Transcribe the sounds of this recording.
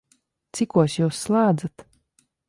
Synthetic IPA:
t̪sikuɔsjuːsːlˠaːd̪zat̪

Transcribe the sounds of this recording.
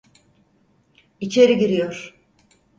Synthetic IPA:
it͡ʃʰe̞ɾiɟiɾijo̞ɾ̥

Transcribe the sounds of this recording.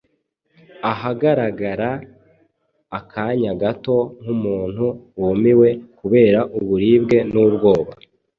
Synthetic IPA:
aɦaɡaɾaɡaɾa | kʰaɲaɡato̞ŋ̥umuːn̥huwomiwe̞kuβe̞ːɾaʔuβuɾiːbɡe̞nubɡo̞ːβa

